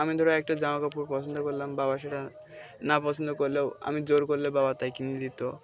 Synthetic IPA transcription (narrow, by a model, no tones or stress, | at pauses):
amid̪ʱɔɾaɛk̚ʈad͡ʑamakapuɾpɔsʰond̪okoɾlambaβaʃeʈa | napɔsʰond̪okoɾlewa̰mid͡ʑoɾkoɾlebabat̪ajkinid̪it̪o